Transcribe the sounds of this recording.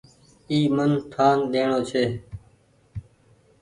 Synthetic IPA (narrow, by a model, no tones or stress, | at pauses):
iːmənʈ̪ʰaːnɗ̪eːɳoːt͡ʃʰeː